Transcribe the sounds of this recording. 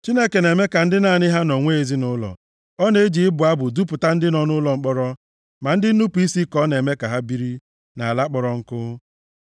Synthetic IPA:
t͡ʃi˦ne˦ke˨ne˨me˦ka˨n̩˦dɪ˦na˨nɪ˦ɦa˦no˨ŋʷe˦e˨zi˦nʊ˦lɔ̰˨ | ɔ˦ne˦d͡ʒi˨ɪ˦bʊ˨a˦bʊ˨du˦pʊ˨ta˦n̩˦dɪ˦nɔ˦nʊ˦lɔ˨ŋ͡m̩˦k͡pɔ˦ɾɔ˦ | ma˨n̩˦dɪ˦n̩˦nu˦pu˨i˦si˦kɔ˦ne˨me˦ka˨ɦa˦bi˦ɾi˦ | na˨a˨la˦k͡pɔ˨ɾɔ˦ŋ̩˦kʊ˦

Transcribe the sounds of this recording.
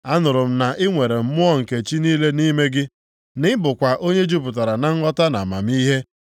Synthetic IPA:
a˦nʊ˨ɾʊ˨m̩˦na˨ʔɪ˦ŋʷe˨ɾe˨m̩˦mʊ˦ɔ˦ŋ̩˨ke˨t͡ʃi˦niː˦le˦ni˦me˦ɡɪ˦ | nɪ˦bʊ˨kʷa˨ʔo˦ɲe˦d͡ʒu˦pʊ˨t̬a˨ɾa˨na˨ŋ̩˦ŋɔ˦ta˦na̰˨ma̰˨m˦i˦ɦe˦

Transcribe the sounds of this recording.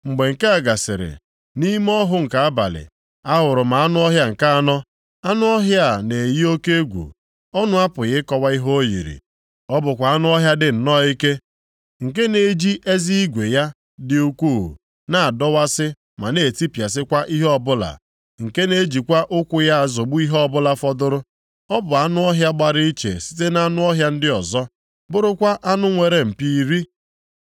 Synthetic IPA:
ŋ͡m̩˨ɡ͡be˨ŋ̩˨ke˦a˨ɡa˨sɪ̰˨ɾɪ̰˨ | ni˦m˦ɔ˦ɦʊ˦ŋ̩˨ka˨˦a˦ba̰˨lɪ̰˨ | a˦ɦʊ˨ɾʊ˨ma˨a˦nʊ˦ɔ˦ɦja˦ŋ̩˨ka˦a˦nɔ˦ | a˦nʊ˦ɔ˦ɦja˦˨ne˨ji˦o˦ke˦ɡʷṵ˨ | ɔ˦nʊ˦a˦pʊ˨ɣɪ˦kɔ˦wa˦i˦ɦo˦o˦jḭ˨ɾḭ˨ | ɔ˦bʊ˨kʷa˨a˦nʊ˦ɔ˦ɦja˦dɪ˨n̩˨nɔ˦i˦ke˦ | ŋ̩˨ke˦ne˨˦d͡ʒi˦ʔe˦zi˦i˦ɡʷe˨ja˦ | dɪ˨u˦kʷuː˦˨ | na˦˨a˨dɔ˦wa˦sɪ˦ | ma̰˨ne˨ti˦pja˨s̬ɪ˦kʷa˦ʔi˦ɦɔ˦bʊ˦la̰˨ | ŋ̩˨ke˦ne˦d͡ʒi˨kʷa˦ʔʊ˦kʷʊ˦ja˦a˨zɔ˨ɡ͡bʊ˦i˦ɦɔ˦bʊ˦la˨fɔ˦dʊ˦ɾʊ˦ | ɔ˦bʊ˨a˦nʊ˦ɔ˦ɦja˦ɡ͡ba˨ɾi˦i˦t͡ʃḛ˨si̥˦te˦na˦nʊ˦ɔ˦ɦja˦n̩˦dɪ˦ɔ˨zɔ˦ | bʊ˦ɾʊ˦kʷa˦ʔa˦nʊ˦ŋʷe˨ɾe˦m̩˨pi˦ɾi˦

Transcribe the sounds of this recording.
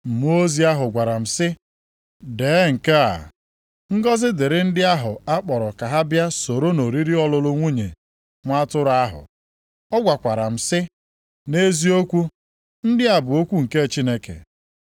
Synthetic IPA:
m̩˨mu˦o˦zi˦a˦ɦʊ˨ɡʷa˨ɾa˨m̩˨sɪ˦ | deː˨˦ŋ̩˨ke˦a̰˨ | ŋ̩˦ɡɔ˦zɪ˦dɪ˨ɾɪ˦n̩˦dɪ˦a˦ɦʊ˨a˦k͡pɔ˨ɾɔ˨ka˨ɦa˦bja˦so˨ɾo˦no˨ɾi˦ɾi˦ɔ˦lʊ˦lʊ˦ŋʷu˦ɲe˨ | ŋʷa˦tʊ˦ɾa˦ɦʊ̰˨ | ɔ˦ɡʷa˨kʷa˨ɾa˨m̩˨sɪ˦ | ne˦zi˦o˦kʷu˦ | n̩˦dɪ˦a˨bʊ˨o˦kʷu˦ŋ̩˨ke˦˨t͡ʃi˦ne˦kḛ˨

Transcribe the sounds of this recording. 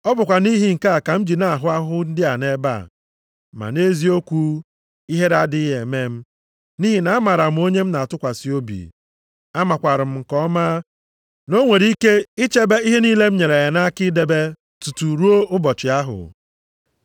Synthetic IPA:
ɔ˦bʊ˨kʷa˨ni˦ɦi˨ŋ̩˨ka˦a˨ka˨m̩˦d͡ʒi˨na˦a˨ɦʊ˦a˦ɦʊ˦n̩˦dɪ˦a˨ne˦ba̰˦˨ | ma̰˨ne˦zi˦o˦kʷu˦ | i˦ɦe˦ɾa˦dɪ˦ɦe˨me˦m̩˦ | ni˦ɦi˨na˨a˦ma˨ɾa˨m̩˨˦o˦ɲe˦m̩˦na˨a˨tʊ˦kʷa˨si˦o˦bḭ˨ | a˦ma˨kʷa˨ɾɪ˨m̩˦ŋ̩˨kɔ˦ma˦ | no˦ŋʷe˨ɾi˦ke˦i˦t͡ʃe˦be˦i˦ɦe˦niː˦le˦m̩˦ɲe˨ɾe˨ja˨na˦kɪ˦de˦be˦ | tu˨tu˨ɾu˦o˦ʊ˦bɔ˨t͡ʃɪ˨a˦ɦʊ̰˨

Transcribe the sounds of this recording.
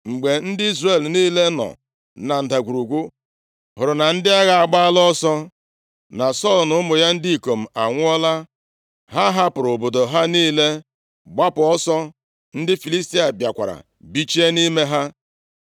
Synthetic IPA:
ŋ͡m̩˨ɡ͡be˨n̩˦dɪ˦i˦zre˨lniː˦le˦nɔ̰˨ | na˨n̩˨da˨ɡʷu˨ɾu˨ɡʷu˦ | ɦʊ˨ɾʊ˨na˨n̩˦dɪ˦a˦ɣa˦a˨ɡ͡ba˦lɔ˦sɔ˦ | na˨sɔ˦˨lnʊ˦mʊ˨ja˦n̩˦di˦i˨ko˨m̩˨a˨ŋʷʊ˦ɔ˦la˦ | ɦa˦ɦa˦pʊ˨ɾʊ˨bo˨do˨ɦa˦niː˦le˦ | ɡ͡ba˦pʊ˨ɔ˦sɔ˦ | n̩˦dɪ˦fi˨li˦sti˦a˨bja˨kʷa̰˨ɾa̰˨ | bi˦t͡ʃi˦e˦ni˦me˦ɦa˦

